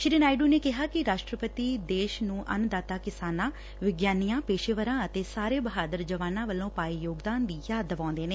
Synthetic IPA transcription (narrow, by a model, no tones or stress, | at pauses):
ʃɪɾenaːɪɖuːneːkɪɦaːkɪɾaːʃʈɾəpət̪iːd̪eːʃnũːʔə̰nd̪aːt̪aːkɪsaːnãː | ʋɪɡjaːnijãːpeːʃəʋəɾãːət̪eːsaːɾeːbəɦaːd̪əɾd͡ʒəʋaːnãːʋəlːõːpaːiːjoːɡd̪aːnd̪iːjaːd̪əʋãːnd̪eːneː